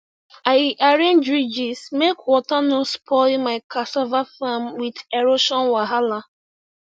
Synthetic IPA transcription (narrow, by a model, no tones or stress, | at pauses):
ajiʔaɾẽndɹid͡ʒismekwɔtanospʰɔlmaɪkʰasɔvafamwideɾoʃɔ̃nwaɦala